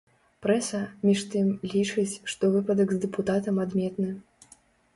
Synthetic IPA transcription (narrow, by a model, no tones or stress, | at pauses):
pɾɛsɐmʲiʂt̪ɨmlʲit͡ʂɨt͡sʲʂt̪ɔvɨpɐd̪ɐɡzd̪ɛput̪at̪ɐmad̪mʲɛt̪nɨ